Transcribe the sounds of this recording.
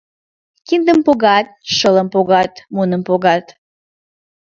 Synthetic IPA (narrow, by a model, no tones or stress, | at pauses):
kind̪əmpoɣɑt̪̚ʃələmpoɣɑt̪munəmpoɣɑt̪